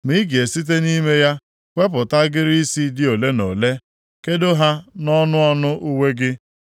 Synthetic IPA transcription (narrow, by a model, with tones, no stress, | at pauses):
mi˦ɡe˨si˦t̬e˦ni˦me˦ja˦ | kʷe˦p̬ʊ˨ta˦ɡɪ˦ɾi˦i˦si˦dɪ˦o˨le˦no˨le˦ | ke˦do˦ɦa˦nɔ˦nʊ˦ɔ˦nʊ˦ʔu˦we˦ɡɪ˦